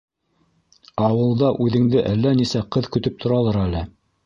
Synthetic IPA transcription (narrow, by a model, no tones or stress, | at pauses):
ɑwɤ̆lˠd̪ɑʔʉðɘ̆ŋd̪ɘʔælːænisæqɤðkɵ̆t̪ɵp̚t̪ʰŏɾɑlˠɑɾælɘ